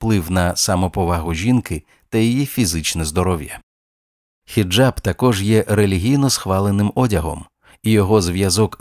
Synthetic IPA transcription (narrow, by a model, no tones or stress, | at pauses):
plˠɪwnɐsɐmɔpɔʋɑɦʊʒʲinkɪ | t̪ɐjijifʲizɪt͡ʃnɛzd̪ɔɾɔʋjɐ | xʲid͡ʒabt̪ɐkɔʒjɛʔɾelʲiɦʲijnɔsxʋɑlˠenɪmɔdʲɐɦɔ̰m | ijɔɦɔzʋjɐzɔk